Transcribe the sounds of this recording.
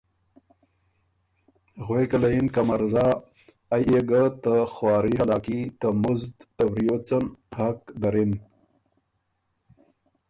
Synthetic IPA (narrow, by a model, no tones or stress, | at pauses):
ɣwekalajinkamaɾzɑ | ajeɡət̪əxwɑːɾihalɑːkit̪əmuzd̪t̪awɾijot͡sənhakd̪aɾin